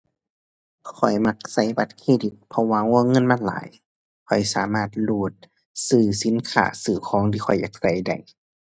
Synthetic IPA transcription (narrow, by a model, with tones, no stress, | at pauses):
kʰɔ˨˩jma˧˩k̚sa˧˩jba˧˦t̪̚kʰeː˧˨di˧˦t̪̚pʰɔ˧waː˧ŋu˧əŋːɤ˧˥˨nma˧˥˨nla̰ː˨˦j | kʰɔ˨˩jsaː˨˦maː˧˩t̪̚luː˧˩t̪̚ | sɯː˧˩si˨˦nkʰa̰ː˧˩sɯː˧˩kʰɔː˨˦ŋt̪ʰiː˧˨xʰɔ˨˩jːaː˧˩k̚sa˧˩˦jdɛ̰˨˩˦ŋ